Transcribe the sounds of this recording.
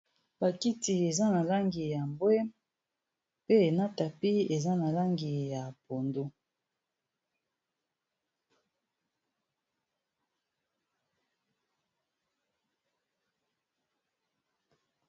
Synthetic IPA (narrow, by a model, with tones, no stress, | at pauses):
ba˨ki˦ti˨e˨za˦na˨la˦ŋɡi˨ja˨mbwɛ˦ | pe˦e˨na˦ta˨pi˦e˨za˦na˨la˦ŋɡi˨ja˨po˨ndo˦